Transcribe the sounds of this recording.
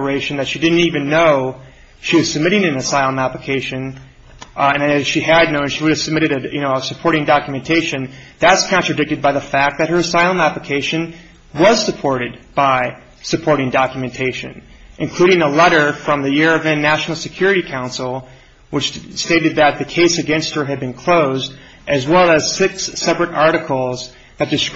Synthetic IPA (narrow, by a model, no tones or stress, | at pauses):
ə˞eɪʃɨ̃n̩ðɨtʃidɪdⁿn̩tivɨ̃nːoʊ | ʃiwʌz̥sɨb̚mɪɾɪ̃ŋɨ̃nɨsaɪlˠə̃mæpləkʰeɪʃɨ̃n | ɨ̃nɨɨz̥ʃiɨdⁿnõʊ̃nʃiwʊɾɨv̥sɨb̚mɪɾɨɾɨjɨnoʊsɨpʰɔɹɾɪ̃ŋdɑkjɨmɨ̃ntʰeɪʃɨ̃nðætskʰɑ̃nt͡ʃɹ̥ɨdɪk̚tɨd̚baɪðəfæk̚ðɨt̚hə˞ɨsaɪlˠə̃mæpləkʰeɪʃɨ̃n | wʌz̥sɨpʰɔɹɾɨd̚b̥aɪ | sɨpʰɔɹɾɪ̃ŋdɑkjɨmɨ̃ntʰeɪʃɨ̰̃n | ʔɨ̃nkʰl̥ʉɾɪ̃ŋəlɛɾə˞fɹʌ̃mðɨjɪɹʌvɨ̃nːæʃn̩l̩ˠsɨkʰj̥ʊɹɨɾikʰãʊ̃nsl̩ˠ | wɨt͡ʃsteɪɾɨd̪̚ðɨt̪̚ðɨkʰeɪsɨɡɛ̃nst̚hə˞ɨd̚bɨ̃nkʰl̥oʊzd | ʔɨzwɛlˠɨz̥sɪksːɛpɹɨɾɑɹɾɨkʰl̩ˠz | ðɨt̚d̥ɨs